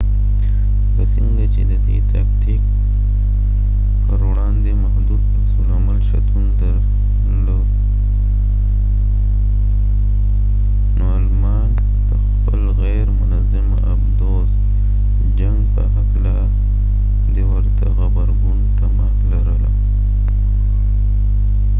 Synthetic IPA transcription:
kasiŋɡat͡ʃed̪əd̪ḛt̪ak̚t̪ik̚ | pəɾwɽand̪emahd̪ud̪asulamalʃat̪und̪əɾ | lo | nolmɑːn | pəxxpəlɣajɾmʊnazɪm | abd̪oz | d͡ʒaŋɡpəɦakla | d̪ewaɾt̪aɣabaɾɡunt̪amaːmlaɾəla̰

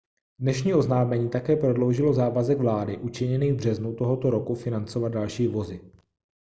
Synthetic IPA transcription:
dnɛʃɲiːʔo̞znaːmɛɲiːt̪akɛːpɾo̞dlowʒɪlo̞zaːvazɛɡvlaːdɪʔut͡ʃɪɲɛniːvbr̝ɛznut̪oɦo̞t̪oɾo̞kufɪnant͡sovat̪d̪̚dalʃiːvo̞zɪ

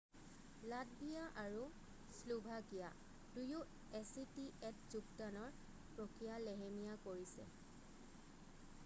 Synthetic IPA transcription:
lad̚bijaʔaɹu | slubʱakija̰ | duju | ɛsitiɛt̚zuktanɔɹ | pɹokɹijalɛɦemijakoɹisɛ̰

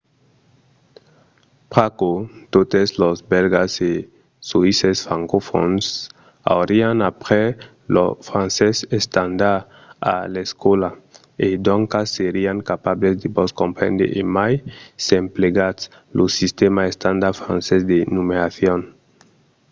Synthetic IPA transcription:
pɾakot̪ot̪eslozbelɡase | soisesfɾaŋkofo̰ns | a̰wɾianapɾe | lofɾãnsesest̪and̪aɾ | a̰leskola | ed̪õŋkasːeɾiaŋkapaβlezd̪eboskõmpɾḛ̃nd̪ḛʔemajsempleɡas | lʔosist̪emaest̪ãnd̪aɾfɾã̰nsezd̪enumeɾaθjon

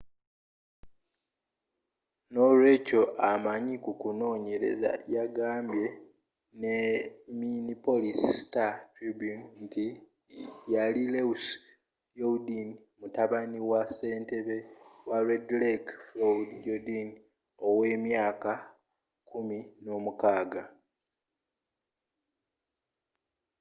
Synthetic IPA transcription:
nolwe̞ːco̞ʔamaɲikukuno̞ːɲe̞ɾe̞̰za̰jaɡaːmbje̞ | neminipo̞lisistatibunti | jalileus | jodin | mutaβaniwase̞ːnte̞βe̞waɾedlekflodjodin | o̞we̞ːmjaːka | kʰumino̞ːmukaːɡa

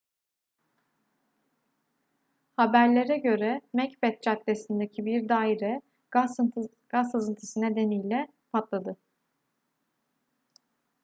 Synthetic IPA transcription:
habæɾlʲe̞ɾɛɟø̞ɾɛmɛcbɛt̪̚t͡ʃat̪lesind̪ecʰibiɾd̪aːiɾɛ | ɡ̥a | ɡ̥ashɯzɯnt̪ʰɯ̥sɯnɛd̪e̞nijlʲɛ | pʰat̪lˠad̪ɯ

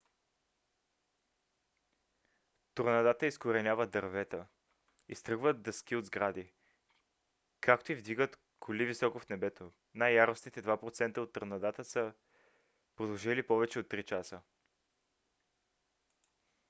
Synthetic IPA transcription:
t̪oɾnɐd̪at̪əiskoɾɛnʲjavəd̪ɐɾvɛt̪ə | ist̪ɾɤɡvət̪̚d̪ɐsk̟iod̪zɡɾad̪i | kʰakt̪oivd̪iɡət̪ | kʰolivisɔkofnɛbɛt̪o | najːaɾʊsnit̪ɛd̪vapɾot̪sɛnt̪əot̪ːəɾnɐd̪at̪əsə | pɾod̪ɐʒɛlipɔvɛt͡ʃɛot̪ːɾit͡ʃasə

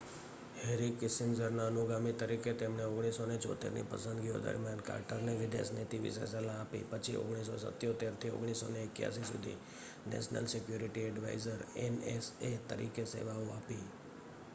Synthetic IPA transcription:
heɾikɪsɪmzəɾnaənuɡamit̪əɾiket̪emneoɡɽ̃isonet͡ʃɔ̰t̪ḛɾnḭpəsə̃nd̪ɡio̰d̪ə̰ɾmjanka̰ɾʈəɾneʋɪd̪ḛsnet̪iʋḭsḛsəlãːpḭpət͡ʃʰio̰ɡɽ̃is̬osə̰t̪ːjot̪eɾt̪ʰio̰ɡɽ̃isːoneɪkja̰sisṵd̪ʱḭ | nɛ̰ʃnə̰lsɪkjuɾiʈiɛɖʋa̰izəɾeneset̪ə̰ɾikesḛʋauapi

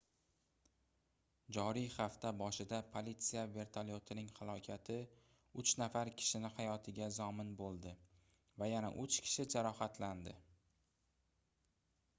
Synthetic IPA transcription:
d͡ʒɒɾijχaft̪ʰabɒʃɪd̪apʰolit̪sijave̞ɾt̪ʰalo̞t̪ʰɪnɪŋhalˠɒkʲʰat̪ʰɪ | ʊt͡ʃnafaɾkʲʰɪ̥ʃɪnɪhajɒt̪ʰɪɡʲazɒmɪnbolˠd̪ɪ | vajana̰ʔʊt͡ʃkʲʰɪ̥ʃɪd͡ʒaɾɒhat̪ʰland̪ɪ

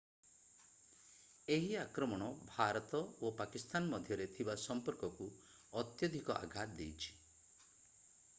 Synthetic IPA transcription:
eɦiakɾɔmɔɽ̃ɔbʱaɾɔt̪ɔopakist̪anmɔd̪ʱjɔɾet̪ʰibasɔmpɔɾkɔku | ɔt̪jɔd̪ʱikɔʔa̰ɡʱat̪d̪ejt͡ʃʰi̥

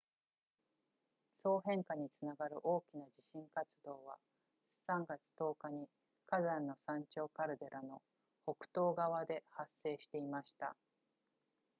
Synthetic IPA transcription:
so̞ːɦẽ̞ŋkaɲ̟it͡sɨnaɡaɾɯ̟̰ʔo̞ːkʲinad͡ʑiɕĩŋkat͡sɨd̪o̞ːβa̰ | sãŋɡat͡sɨ̥t̪o̞ːkaɲ̟i | kazãnːo̞sãɲ̟t͡ɕo̞ːkaɾɯ̟d̪e̞ɾʔano̞ | ho̞kɯ̟̥t̪o̞ːɡaβ̞ad̪e̞hasːe̞ːɕi̥t̪e̞imaɕi̥t̪a̰

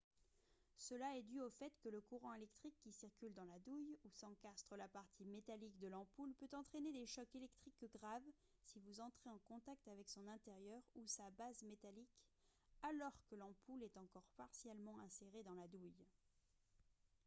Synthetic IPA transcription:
səlaɛd̪yofɛt̪kələkuʁɑ̃elɛkt̪χikːisiʁkʲyld̪ɑ̃lad̪ujusɑ̃kast̪χəlapaʁt̪ʰimet̪alikd̪əlɑ̃pulpøt̪ɑ̃t̪χened̪eʃɔkelɛk̚t̪χikɡʁav | sivuzɑ̃t̪χeɑ̃kɔ̃t̪ak̚t̪avɛksɔ̃nɛ̃t̪eʁjœʁusabazmet̪alik | alɔʁkəlɑ̃pulɛt̪ɑ̃kɔʁpaʁsjɛlmɑ̃ɛ̃seʁed̪ɑ̃lad̪uj

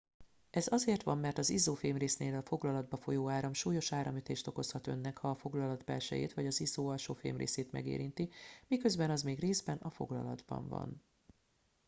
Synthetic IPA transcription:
ɛzɒzeːrt̪ʋɒmːɛrt̪ɒzizoːfeːmreːsneːlɒfo̞ɡlɒlɒd̪̚bɒfo̞joːaːɾɒmʃuːjo̞ʃaːɾɒmyt̪eːʃt̪o̞ko̞shɒt̪ø̞̰nːɛkhɒːfo̞ɡlɒlɒd̪bɛ̰lʃɛ̰jḛːt̪ʋɒɟɒzizoːɒlʃoːfḛːmrḛːseːt̪mɛ̰ɡḛːɾint̪imikø̞zbɛnɒzmeːɡreːzbɛnɒfo̞̰ɡlɒ̰lɒd̪bɒ̰ɱvɒ̰n

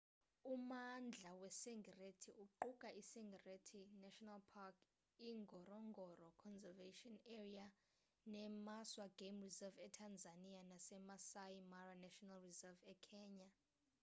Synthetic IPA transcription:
umand͡ɮʱawɛsɛŋɡʱɛretʰiʔuǃukʼaʔisɛŋɡʱɛretʰinɛʃɔnalpʰakʰ | iŋɡʱɔrɔŋɡʱɔrɔkʰɔnzɛveʃiɔnɛria | nɛmaswaɡ̥emrizɛvɛtʰand͡zʱanianasɛmasajimaranaʃɔnalrizɛvɛkʰɛːɲa

